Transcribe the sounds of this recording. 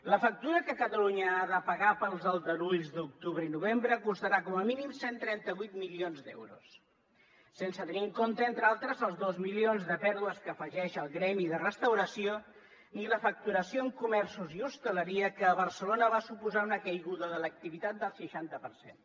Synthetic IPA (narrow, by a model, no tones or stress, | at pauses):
ləfək̚t̪uɾəkəkət̪əluɲəaðəpəɣapəlˠzəlˠd̪əluʎzd̪uk̚t̪uβɾəinuβ̞embɾəkust̪əɾakɔməminimsent̪ɾɛnt̪əβujt̪milionzd̪ɛ̰wɾṵsː | ensət̪əniəŋkont̪əent̪ɾalˠt̪ɾəzəlˠzðozmilionzðəpɛɾðuəskəːfəʒɛʃəlˠɣɾɛmiðərəst̪əwɾəsio | niləfək̚t̪uɾəsioəŋkumɛrsuziust̪ələɾiəkəːβəɾsəlonəβasupuzaunəkəjɣuðəðələk̚t̪iβit̪at̪̚d̪əlˠʃəʃant̪əpəɾsḛn